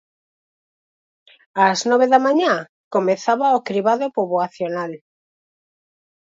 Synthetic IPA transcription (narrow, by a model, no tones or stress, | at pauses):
aznɔβeðamãɲã | komeθaβaokɾiβaðopoβoaθjonal